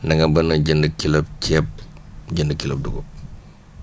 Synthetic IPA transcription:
nɐŋɡɐbɐnɐɟəndəkilɐp̚cɛp̚ɟəndəkilɐp̚duɡop̚

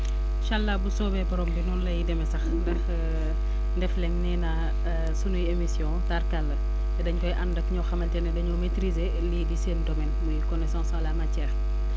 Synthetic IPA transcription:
ʃalːabusɔːbɛbɔɾɔmbinuːnlɐjidɛmɛsɐxndɐx | ndɛflɛŋnɛna | sunujemisjɔ̃tarkalːə | ɛdɐɲkɔjʔɐndɐkɲɔxɐmɐltɛnɛdɐɲɔmetɾize | lidiseːndɔmɛnmujikɔnɛsɔ̃ːsalamacɛːr

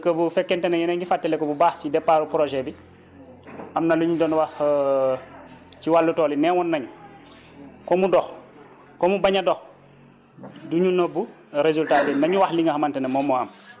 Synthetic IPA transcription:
kəbufɛkːɛntɛnɐjɐnɛŋɡifatːɛlɛkobubaːxsidɛpːaːɾupɾɔʒɛbi | ʔɐmnɐluɲudɔnwax | ciwalːutɔːlinɛːwɔnːɐɲu | kɔmudɔx | kɔmubaɲɐdɔx | duɲunɔbu | ɾezultaːtɛnɐɲuwaxliŋahɐmantɛnɐmɔmɔam

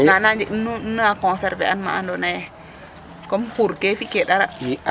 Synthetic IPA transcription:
nanand͡ʒiʔnunːakɔnsɛɾvḛanma̰andonaj | kɔmhuɾkefikeɗaɾa

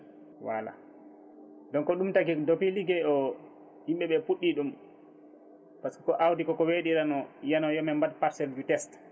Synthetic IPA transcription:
wa̰la̰ | dɔnkɔɗumtaɡɛdopiliɡɛɔ | himɓɛɓɛpuɗːiɗum | paskɛ̥kɔʔawdikɔkɔweɗiɾanɔjanɔjɔmɛmbad̚paɾsɛld͡ʒutɛst

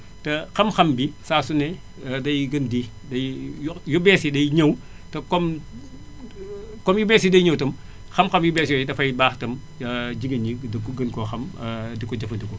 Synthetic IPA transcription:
tɐxɐmxɐmbisaːsunɛ | dɐjɡɐndi | dɐjjjɔbɛːsidɐjɲɐw | tɐkɔm | kɔmjubɛːsidɐjɲɐwtɐm | xɐmxɐmjubɛːsjɔjidɐfɐjbaːxtɐm | ɐd͡ʒiɡɐɲidɐkɡɐnkɔxɐmdikɔd͡ʒɐfɐndiko

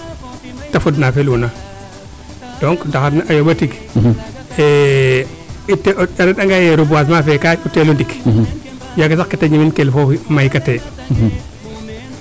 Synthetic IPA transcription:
tafudnafeluna | d̥oŋkdaxadnaʔajoɓatik | e | itːeaɾaɗaŋɡajeɾubuas̬mafekautːelundik | jaɡasakkːetaɲiminkelfomajkate

